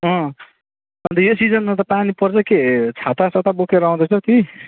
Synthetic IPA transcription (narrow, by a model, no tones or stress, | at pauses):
ɦʌ̃ | ʌnt̪ʌjosid͡zʌnmat̪̬ʌpanipʌrt͡sʰʌket͡sʰat̪asʰat̪abokeɾʌũd̪ʌt͡sʰʌt̪ʰi